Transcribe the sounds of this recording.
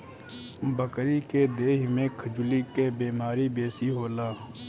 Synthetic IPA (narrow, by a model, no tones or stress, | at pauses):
bəkɾiːkeːd̪eːɦmẽːkʰəd͡ʒʊliːkeːbeːmaːɾiːbeːsiːɦoːlaː